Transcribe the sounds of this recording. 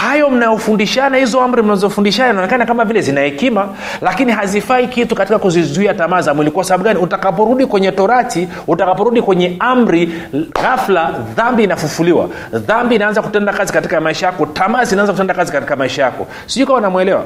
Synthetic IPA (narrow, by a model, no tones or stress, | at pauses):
hajɔm̩najɔfundiʃanahizɔam̩ɾim̩nazɔfundiʃanainaɔnɛkanakamavilɛzinaɛkima | lakiniɦazifaikitukatikakuzizuiatamaːzamwilikuwasaɓaɓuɡaniutakap̬ɔɾuɗikwɛɲɛtɔɾati | utakapɔɾuɗikwɛɲɛam̩ɾi | ɣaflaðambinafufuliwa̰ | ðambiːnaanzaku̥tɛndakazikatikamaiʃajakɔtamaːzinanzakutɛndakazikati̥kamaiʃajakɔ̰ | siukawanamwɛlɛwa̰